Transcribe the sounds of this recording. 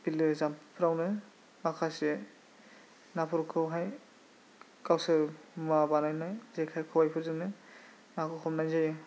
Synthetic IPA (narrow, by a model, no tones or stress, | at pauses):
bilɯzampʰɯɾawnɯ | makʰasie | napʰɔɾkʰɯɦaj | kawsɯmabanajnajzekʰajkʰɔwajpʰɯɾzɯmnɯ | nakʰɯkʰɔmnajzajɯ